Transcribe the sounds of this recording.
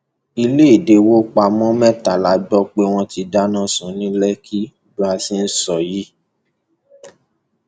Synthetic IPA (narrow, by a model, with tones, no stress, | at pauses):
i˧le˦i˨de˧˦wo˦k͡pa˧mɔ̃˦mɛ̃˦ta˨la˨˦ɡ͡bɔ˦k͡pe˧w̃ɔ̃˧ti˧da˦nã˦˨sũ˨˦nĩ˦lɛ˦ki˦˨bu˦a˧si˦n̩˦sɔ˨ji˨˦